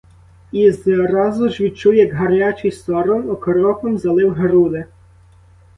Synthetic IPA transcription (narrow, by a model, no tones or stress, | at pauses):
izɾɑzʊʒʋʲid̪̚t͡ʃuwjɐɡɦɐɾnʲɑt͡ʃɪjst̪ɔɾɔnɔkɔɾɔkɔmzɐlˠɪwɦeɾud̪e